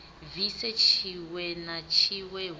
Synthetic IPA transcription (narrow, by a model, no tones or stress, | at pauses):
visɛt͡ʃʰiwɛnat͡ʃʰiwɛ